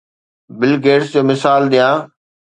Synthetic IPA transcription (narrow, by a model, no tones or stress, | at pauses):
bɪlɡeːʈsd͡ʑoːmɪsaːlɗ̪ijãː